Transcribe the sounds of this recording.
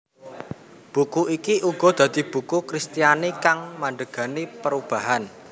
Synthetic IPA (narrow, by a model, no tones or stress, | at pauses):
b̥ṳkuikiʔuɡ̥ɔ̤d̪̥ä̤d̪̥i̤b̥ṳkukɾist̪ijanekaŋmaɳɖ̪əɡ̥a̤nipəɾub̥a̤ɦan